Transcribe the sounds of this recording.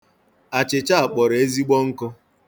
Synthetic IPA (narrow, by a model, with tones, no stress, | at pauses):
a˨t͡ʃɪ˨t͡ʃa˦a˨k͡pɔ˨ɾe˦zi˦ɡ͡bɔ˦ŋ̩˦kʊ˦